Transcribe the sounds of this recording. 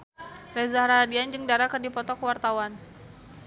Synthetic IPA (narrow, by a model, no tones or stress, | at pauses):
rɛzahɾaadiand͡ʒɨŋdaɾakərdipɔt̪ɔkəwart̪awan